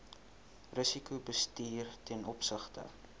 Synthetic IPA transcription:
rəsikubəstiːrtɛnɔpsəχtə̰

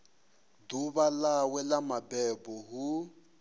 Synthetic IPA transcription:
duβalawɛlamabɛbɔɦu

